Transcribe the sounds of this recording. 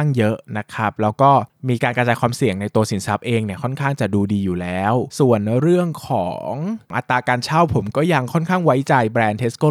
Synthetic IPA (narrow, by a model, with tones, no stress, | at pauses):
ŋjɤ˦˥ʔna˦˥kʰa˦˥p̚lɛː˦˥wkɔː˥˩miː˧kaː˧nkɾa˧t͡ɕaː˧jkʰwaː˧msi˨˩əŋna˧jt̪u˧ɐsi˩˦nsa˦˥p̚ʔeː˧ŋni˥˩ɐkʰɔ˥˩nkʰaː˥˩ŋt͡ɕa˨˩duː˧diː˧juː˨˩lɛː˦˥wsu˨˩ənɾɯ˥˩əŋkʰɔ̰ː˩˦ŋʔa̰˨˧˩t̪ːaː˧kaː˧nt͡ɕʰa˥˩wpʰo˩˦mkɔː˥˩ja˧ŋkʰɔ˥˩nkʰaː˥˩ŋwa˦˥jt͡ɕa˧jbɾɛː˧nt̪ʰe˦˥skɤ˥˩